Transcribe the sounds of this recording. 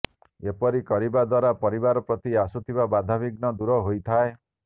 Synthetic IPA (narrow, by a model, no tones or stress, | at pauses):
epɔɾikɔɾibad̪waɾapɔɾibaɾɔpɾɔt̪iasut̪ʰibabad̪ʱabiɡnɔd̪uɾɔɦojt̪ʰae